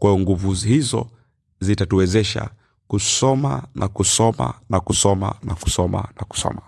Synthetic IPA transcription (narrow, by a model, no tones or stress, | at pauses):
kwajɔŋɡuvuhizɔ̰ | zitatuwɛzɛʃa̰ | kusɔma̰nʔakusɔma̰nakusɔma̰nʔaku̥sɔma̰naku̥sɔ̰ma